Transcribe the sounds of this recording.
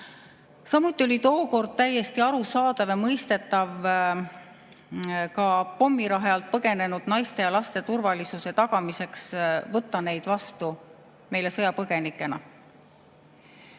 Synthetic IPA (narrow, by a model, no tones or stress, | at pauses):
sɑmut̪ːˑio̞lit̪o̞ːko̞rd̪̥̚t̪æjːe̞st̪iɑɾusɑːd̪ɑvjɑmɤjst̪e̞t̪ːˑɑv | kɑpo̞mːiɾɑɦeɑlt̪̚pɤɡe̞ne̞nud̪̥nɑjst̪e̞jɑlɑst̪e̞t̪urvɑlisuse̞t̪ɑɡ̥ɑmise̞ksvɤt̪ːˑɑne̞jd̪̥vɑst̪u | me̞jle̞sɤjɑpɤɡ̥e̞nikːˑe̞nɑ